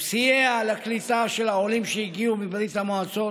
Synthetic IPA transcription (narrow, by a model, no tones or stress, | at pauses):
psiealaklit̪aʃelaolimʃejiɡiumibɾit̪amaat͡so